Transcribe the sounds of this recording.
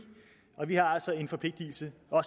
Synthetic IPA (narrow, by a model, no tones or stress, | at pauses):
ɒ̽ʋihɑ̈æl̰sɒ̽e̝nfɒ̽pʰle̝ɡ̥̚d̥il̩səɒ̽s